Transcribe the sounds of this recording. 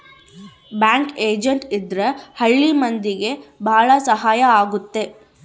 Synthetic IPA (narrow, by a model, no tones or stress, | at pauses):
bjaːŋkeːd͡ʒɐɳʈid̪ɾɐhɐɭːimɐnd̪iɡe̞bʱaːɭɐsɐɦaːjɐaːɡut̪ːe̞